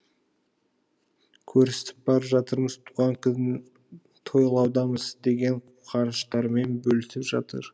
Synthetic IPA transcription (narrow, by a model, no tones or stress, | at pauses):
kʲʰɵɾse̥t̪ɪp̚bɑɾəpʒɑt̪əɾməzt̪ʰuʁɑŋkɪ | t̪ʰo̞jlˠɑwd̪ɑməzd̪e̞ɡʲe̞ɴuqʰɑnəʃt̪ɑɾme̞nbɵlɪst̪ɪpʒɑt̪ə̰ɾ